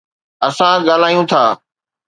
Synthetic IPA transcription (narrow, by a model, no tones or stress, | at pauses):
əsãɠaːl̤aːjũt̪ʰaː